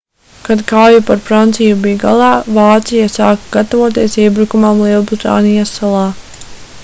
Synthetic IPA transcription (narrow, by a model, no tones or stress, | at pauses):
kad̪kaːjupaɾfɾant̪sijubijɡa̰lˠɑːvaːt̪sijasaːkaɡ̥at̪avoɔt̪iɛsiɛbɾukumamlˠiɛlˠbɾit̪a̰ːnijasːalˠɑː